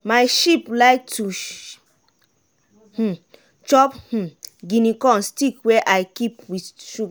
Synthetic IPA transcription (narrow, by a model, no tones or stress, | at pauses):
majʃiplaɪk̚tʰu | h̩ | t͡ʃɔph̩ɡĩnikɔ̃nstikwɛʔajkipwiʃup